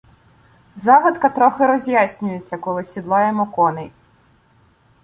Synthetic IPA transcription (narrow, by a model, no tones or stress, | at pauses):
zɑʋɐt̪kɐt̪ɾɔxɪɾɔzʲjasʲnʲʊjet͡sʲːɐkɔlˠɪsʲid̪lˠɑjɛmɔkɔnɪj